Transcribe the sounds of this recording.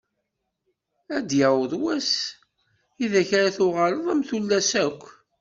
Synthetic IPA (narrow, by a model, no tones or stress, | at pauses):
æd̪jæwəðˤwæs | iðæçaɾaθʊʁələðˤæmθulːæsækʷː